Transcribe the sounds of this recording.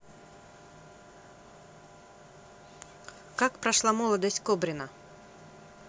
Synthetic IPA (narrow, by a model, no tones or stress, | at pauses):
kakpɾɐʂlˠamɔlˠɐd̪ɐsʲtʲkɔbɾʲɪnɐ